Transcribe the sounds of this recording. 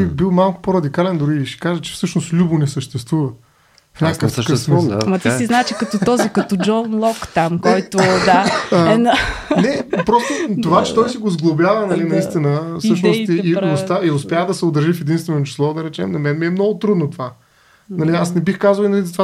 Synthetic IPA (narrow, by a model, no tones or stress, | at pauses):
ibilˠmalˠkʊ̥poɾɐd̪ikalɛnd̪ʊɾiːʃɛ̥kaʒət͡ʃɛ̥fsɤʃnost̪lʲubʊnɛsəʃt̪ɛst̪vuvə | fɲʲakəkəft̪kəfsmimɐt̪isiznaɛt͡ʃikɐt̪ɔt̪ɔzikɐt̪ɔd͡ʒɔnlˠɔkt̪amkɛɔjt̪ʊd̪aəɛnnɛpɾɔst̪ot̪ovat͡ʃɛ̥t̪ɔjsiɡozɡlˠobjavənɐlinɐist̪inəfsɤʃnost̪iːost̪aiʊspjad̪ɐsɛʊd̪ɾʒifɛd̪inst̪vɛnoot͡ʃi̥slˠɔd̪ɐɾɛt͡ʃɛmnɐmɛnmiɛmnɔɡʊt̪ɾud̪not̪ova | nɐliasnɛbixkazəlˠinɐlizɐt̪va